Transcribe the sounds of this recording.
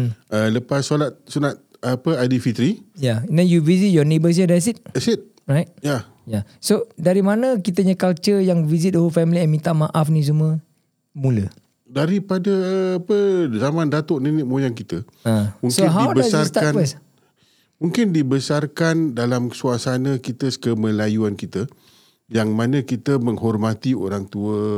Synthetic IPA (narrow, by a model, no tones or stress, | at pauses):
ələpasːolat̪̚sunat̪̚ | apəadifit̪ɾijananjuvizit̪̚jɔnebəs̬jadas̬it̪̚sit̪̚ | ɹajt̚ja | jasodaɾimanəkit̪əɲakalt͡ʃəjaŋvizit̪̚oɦofɛmliɛmĩt̪aʔmaʔafnĩs̬umə̃ | mũlə̰ | daɾipadaːpəzamãndat̪oʔninɪʔmojaŋkit̪ə | amũŋsoɪnɦadiwbəsaskans | muŋkɪndibəsarkandalamsuasanə̃kit̪əkəməlajuankit̪ə | jaŋmãnə̃kit̪əmə̃ŋɦɔrmat̪io̰ɾaŋt̪uə